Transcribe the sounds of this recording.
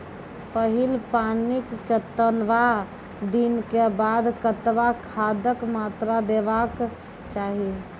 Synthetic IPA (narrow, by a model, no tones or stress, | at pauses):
pəɦilpanikːet̪ənʋa | d̪inkebad̪kət̪ʋakʰad̪əkmat̪ɾad̪ebak | t͡ʃaɦi